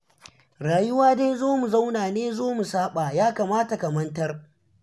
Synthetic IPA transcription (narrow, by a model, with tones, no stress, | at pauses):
ɽaː˨jʊ˦waː˦da˦jzoː˦mu˨za˦wnaː˨neː˦zoː˦mu˨saː˦ɓaː˨jaː˦ka˨maː˦ta˨kɐ˨mɐ˦ntɐ˦r